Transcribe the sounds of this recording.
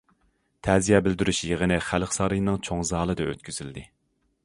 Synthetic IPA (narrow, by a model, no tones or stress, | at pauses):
t̪ʰæzijɛbɪld̪yɾyʃjeʁənɨχælχsɑɾɨjnɨŋt͡ʃʰoŋzɑːlˠɨd̪ɛø̰t̪̚kʲʰyz̥yld̪ɪ